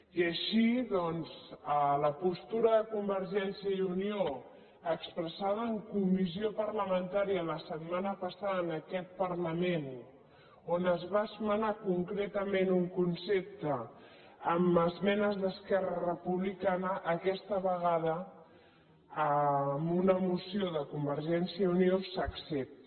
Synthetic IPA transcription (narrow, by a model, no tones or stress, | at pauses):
iəʃiðɔnzələpust̪uɾəðəkumbəɾʒɛnsiəiunio | əkspɾəsað̞əːŋkumiziopərləmənt̪aɾiələsət̪manəpəsaðəːnəkɛt̪̚pərləmen | onəzβasumənakuŋkɾet̪əmenuŋkunsep̚t̪əː | məzmɛnəzðəskɛrərəpuβlikanəʔəkɛst̪əβəɣað̞ə | əmunəmusioðəkumbəɾʒɛnsiəuniosəksɛp̚t̪